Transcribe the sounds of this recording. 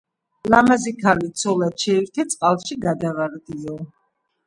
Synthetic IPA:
lamazikʰalit̪sʰɔlat͡ʃʰɛiɾt̪ʰɛt̪sʼqʼalˠʃiɡad̪avaɾd̪iɔ

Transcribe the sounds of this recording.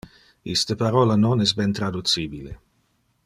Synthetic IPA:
ist̪əpaɾolanonɛs̬bɛnt̪ɾad̪ut͡siːbile

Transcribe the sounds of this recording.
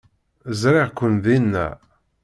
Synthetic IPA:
zɾɪʁkʷːənðinːæ̰

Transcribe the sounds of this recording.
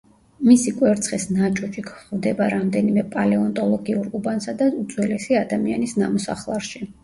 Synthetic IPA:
misikʼwɛɾt̪sʰχisnat͡ʃʼɔt͡ʃʼikʰχvd̪ɛbaɾamd̪ɛnimɛpʼalɛɔnt̪ʼɔlˠɔɡiuɾubansad̪aut̪sʼwɛlɛsiad̪amia̰nisnamɔsa̰χlˠaɾʃi

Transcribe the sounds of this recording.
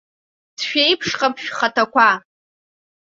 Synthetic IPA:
d̥ʃᶣejpʰʂχapʰʃᶣχatʰakʷa

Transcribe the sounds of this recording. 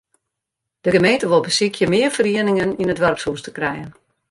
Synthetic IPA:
d̥əɡəmejntəʋolˠbəsikʰjəmɪərfəriənɪŋəninətʋɛrpsustə̥krɛjən

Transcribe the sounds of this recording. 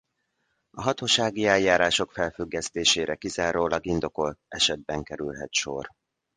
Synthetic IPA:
ɒɦɒt̪oːʃaːɡiɛljːaːɾaːʃo̞kfɛlfyɡːɛst̪eːʃeːɾʔɛkizaːɾoːlɒɡind̪o̞ko̞lt̪ɛʃɛd̪̚bɛŋkɛɾylɦɛ̰t̪ʃo̞̰r

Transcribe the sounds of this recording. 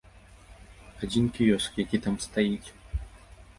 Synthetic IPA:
ad͡zʲinkʲijɔskjakʲit̪amst̪ajit͡sʲ

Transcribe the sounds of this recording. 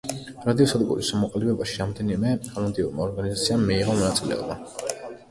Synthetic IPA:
ɾad̪iɔsad̪ɡṵɾisamɔqʼlɛbɛbaʃiɾamd̪ɛnimɛaland̪ʼiuɾmaɔɾɡanizat̪sʰiamːiːʁɔmɔnat̪sʼilɛ̰ɔ̰ba

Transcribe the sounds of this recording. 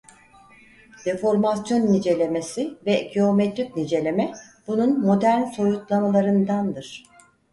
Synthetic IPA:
d̪̥e̞fo̞ɾmasjo̞nːid͡ʒe̞lʲe̞mesivɛɡio̞mɛt̪ɾʲyk̚nid͡ʒe̞lʲe̞mɛb̥ununmo̞d̪æɾnso̞jut̪lˠamalˠaɾɯnd̪and̪ɯɾ̝̥

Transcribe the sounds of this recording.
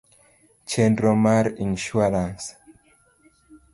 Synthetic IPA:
t͡ʃɛndɾomaɾĩnʃuaɾãns

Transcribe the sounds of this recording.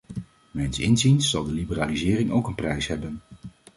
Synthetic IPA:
mɛjnsɪ̰nzinsːɑlˠdəlibəraːlizɪːrɪŋowkənprɛjsɦɛbən

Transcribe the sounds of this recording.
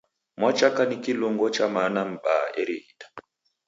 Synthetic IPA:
mwat͡ʃakanikilɔŋɡɔt͡ʃamanam̩ɓa̰ɛɾihitḁ

